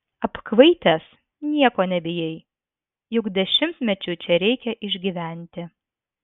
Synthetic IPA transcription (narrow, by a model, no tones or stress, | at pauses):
ɐpkʋɐɪt̪ʲɛs | nʲiɛkoːnʲɛbʲɪjɛɪ | jʊkd̪ʲɛʃʲɪmʲt̪ʲmʲɛt͡ʃʲʊt͡ʃʲɛɾʲɛɪkʲɛʔɪʒʲɡʲiʋʲæˑnʲt̪ʲɪ